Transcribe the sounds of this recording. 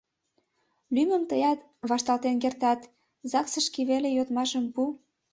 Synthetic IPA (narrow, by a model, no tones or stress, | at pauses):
lymə̆mt̪əjɑt̪ | βɑʃt̪ɑlt̪enk̬ert̪ɑt̪ | zɑksə̆ʃkiβelejot̪mɑʃəmpu